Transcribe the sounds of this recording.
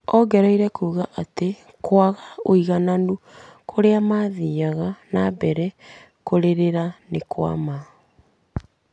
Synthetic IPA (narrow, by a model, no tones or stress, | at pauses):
ɔɡɛɾɔiɾɛkuːɣaʔate | kwaɣaoiɣananukʰoɾeamaðiːaɣanabɛɾɛ | koɾeɾeɾanekwa̰ma